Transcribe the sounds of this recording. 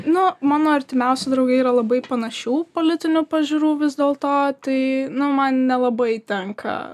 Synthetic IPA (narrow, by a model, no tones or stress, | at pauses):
nʊmɑːnoːɐɾʲt̪ʲɪmʲɛʊsʲɪd̪ɾɐʊɡɐɪiːɾɐlˠɐbɐɪpɐnɐʃʲuːpoːlʲɪt̪ʲɪnʲupɐʒʲʊɾuːʋʲɪzd̪ʲeːlˠt̪oːt̪ɐɪnʊmɐnnʲɛlˠɐbɐɪt̪ʲɛŋkʰɐ̰